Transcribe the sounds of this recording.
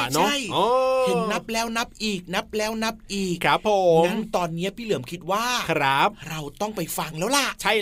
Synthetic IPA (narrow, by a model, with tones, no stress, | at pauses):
n˦˥a˥˩jʔɔː˨˧t̪ʰɯ˨˩˦ŋna˦˥p̚lɛː˦˥wna˦˥p̚ʔiː˨˩k̚na˦˥p̚lɛː˦˥wna˦˥p̚ʔiː˨˩k̚ʰɾa˦˥pʰːo˨˩˦a˦˥mŋt̪ɔː˧nːi˦˥ɐpʰiː˥˩lɯ˩˦əmkʰi˦t̪̚waː˥˩kʰɾa˦˥p̚ɾa˧wt̪ɔ˥˩ŋpa˧jfa˧ŋlɛː˦˥wla˨˩ʔt͡ɕʰa˥˩j